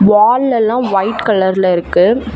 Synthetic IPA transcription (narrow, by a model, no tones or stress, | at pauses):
ʋaːlːɛlːãːʋɐɪʈkɐlɐɾlɪɾɯkːɯ